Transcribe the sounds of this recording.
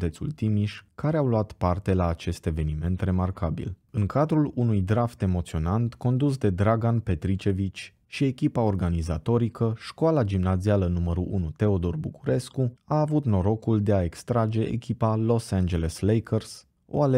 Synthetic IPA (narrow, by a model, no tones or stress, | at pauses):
t̪e̞t̪sṵlt̪imiʃkaɾeawluat̪part̪e̞laːt͡ʃe̞st̪e̞ve̞nime̞nt̪re̞markabḭlɨŋkad̪ɾulunujd̪ɾaft̪e̞mo̞t̪sio̞nant̪ko̞nd̪us̬d̪e̞d̪ɾaɡanpe̞t̪ɾit͡ʃe̞vit͡ʃʲ | ʃie̞kʲipao̞rɡanizat̪o̞ɾikəʃkoalad͡ʒimnazialənuməɾuʔunut̪e̞o̞d̪o̞rbukuɾe̞skuaːvut̪no̞ɾo̞kuld̪e̞ae̞kst̪ɾad͡ʒe̞ʔḛkʲipalo̞sand͡ʒe̞leslejkʰərs | o̰ale